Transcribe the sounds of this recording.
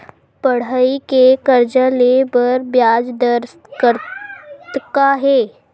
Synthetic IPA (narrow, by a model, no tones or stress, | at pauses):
pəɽ̤aikekəɾd͡ʒəlebəɾbjaːd͡ʒd̪əɾs | kəɾt̪kaɦɛː